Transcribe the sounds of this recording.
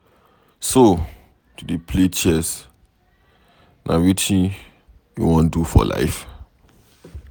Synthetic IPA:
so | tudepʰlet͡ʃɛs | nʔa̰witĩn | jṵwɔ̃ndufɔ̰la̰ɪf

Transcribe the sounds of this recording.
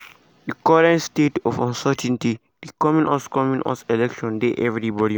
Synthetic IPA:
dikɔɾɛ̃ntstetɔfãnsətɛ̃nti | d̥ikɔmĩnʔɔskɔmĩnʔɔ̰sɛlɛkʃɔ̃ndeʔɛvɾibɔɾi

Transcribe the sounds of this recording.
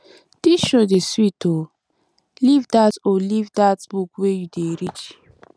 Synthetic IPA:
d̥iʃodeswito | livdatolivdatbukwejudeɾit͡ʃi

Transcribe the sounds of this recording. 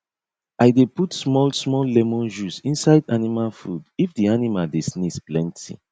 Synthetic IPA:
ajdeputsmɔlsmɔlːɛmõnʃusĩnsaɪdanimalfudifdianimaldesnisplɛ̃ntʰḭ

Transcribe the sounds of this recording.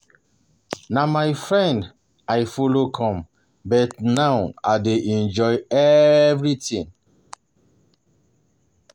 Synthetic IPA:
namajfɹɛ̃nd | ajfolokʰɔ̃m | bɛtnawadeʔɛ̃nd͡ʒɔjɛvɹitĩn

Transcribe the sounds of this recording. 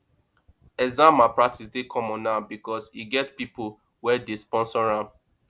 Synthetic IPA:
ɛzãmapɹak̚tʰis̬dekʰɔ̃mɔ̃nabikɔsiɡɛtpipo | wɛdespɔ̃nsɔɹãm

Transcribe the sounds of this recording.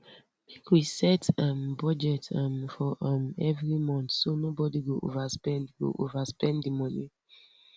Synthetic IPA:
mekwisɛtɔmbɔd͡ʒɛtɔmfɔʔɔmɛvɹimɔ̃ntsonobɔdiɡoʔovaspɛ̃ndɡo̰ʔovaspɛ̃ndimɔ̃ni

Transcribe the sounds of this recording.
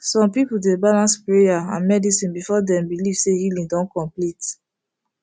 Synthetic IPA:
sɔ̃mpipuldebalãnspɹejaã̰nmɛdisĩnbifɔdɛ̃mbiliv̥sehilĩŋdɔ̃nkɔ̃mplit

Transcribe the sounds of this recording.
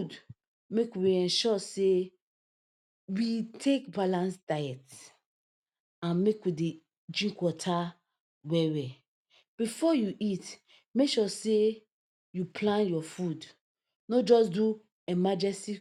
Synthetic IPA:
d | mekwiɛ̃nʃɔse | witʰekbalãnsd̥ajɛt | ãnmekwide | d͡ʒĩŋkwɔtʰa | wɛwɛ | b̥ifɔjuʔit | mekʃɔse | jupʰlãnjɔfud | nod͡ʒɔsdu | ɛmad͡ʒɛ̃nsi

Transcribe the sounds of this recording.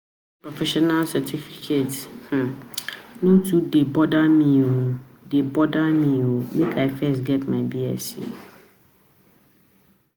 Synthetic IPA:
pʰɹɔfɛʃɔnalsɛtʰifikʰeth̩ | nũtʰudebɔdamĩo | debɔdamĩomekʰaɪfɛsɡɛtmãɪbiɛ̰sḭ

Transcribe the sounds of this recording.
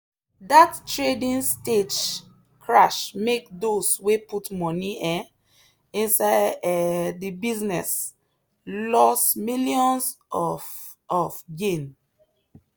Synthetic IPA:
dattɹedĩnsted͡ʒ | kʰɹaʃmek̚dosweputmɔniɛ̃ | ĩnsaɪ | dibiznɛs | lɔsmiliɔ̃ns | ɔfɡẽn

